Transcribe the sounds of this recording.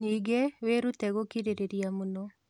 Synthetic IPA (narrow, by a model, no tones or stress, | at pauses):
niɡeweɾut̪ɛɡokiɾeɾeɾijamuno